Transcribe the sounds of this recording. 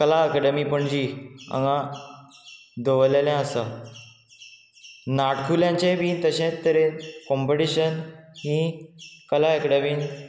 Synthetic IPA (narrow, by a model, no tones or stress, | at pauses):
kəlaəkəɽəmipəɳd͡ʑiã̰ŋɡã | d̪oʋəleljãəsa | naʈkʰuljãɲt͡ɕẽʋĩt̪əɕẽt̪ːəɾenkɔmpəʈiɕənɦĩkəlaekɽəmiːn